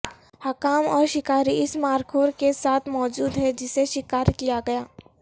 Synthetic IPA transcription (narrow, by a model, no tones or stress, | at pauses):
hɐkaːmɔːɾʃɪkaːɾiɪsmaːɾkʰoːɾkesaːt̪ʰmɔːd͡ʒuːd̪ɦɛd͡ʒɪseʃɪkaːɾkijaɡɐjaː